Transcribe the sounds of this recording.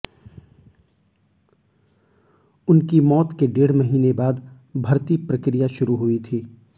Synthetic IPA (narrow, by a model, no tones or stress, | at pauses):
ʊnkimɔːt̪keɖeːɽ̤mɐɦiːnebaːd̪ | bʱɐɾt̪ipɾɐkɾijaʃʊɾuɦʊit̪ʰiː